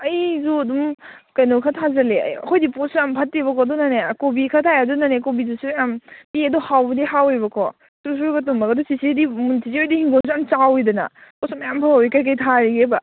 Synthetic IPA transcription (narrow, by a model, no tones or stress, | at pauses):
ɐjzuɐdum | kɐjnokʰatʰazɐlḛjɐ̰kʰɔjdiposampʰɐtːibɐkʰɔdunanekobikʰatʰajadunanekobizusuampiedɔhawbɐdihawebɐkʰɔ | tus̬uɡɐtumbɐɡɐdɔsisidimuntʰiziojdihiŋɡonsuamt͡ʃawidɐnɐ̰posɔmajampʰawikajk̬ɐjtʰaɾiɡeba